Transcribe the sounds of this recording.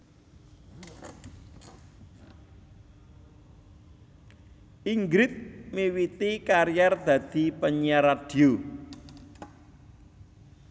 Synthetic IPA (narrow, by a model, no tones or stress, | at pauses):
ʔiŋɡɾɪt̪̚mewit̪ikaɾijard̪̥ä̤d̪̥i̤pəɲaɾad̥i̤o